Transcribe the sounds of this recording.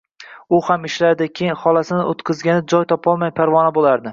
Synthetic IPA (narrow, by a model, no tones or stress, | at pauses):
ʊhamɪʃlaɾd̪ɪkʲʰejɪnhɒlasɪnɪʔot̪qʰɨzɡʲanɪd͡ʒɒjt̪ʰɒpʰɒlˠmajpʰaɾvɒnabolaɾd̪ɪ